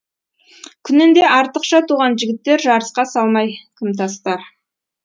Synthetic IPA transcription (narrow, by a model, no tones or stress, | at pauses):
kʲʰʏnɪnd̪e̞ʔɑɾt̪əqʃɑt̪ʰuʁɑnʒɪɡʲɪt̪ːe̞ɾʒɑɾəsqɑsɑlˠmɑjkʲʰɪmt̪ʰɑst̪ɑɾ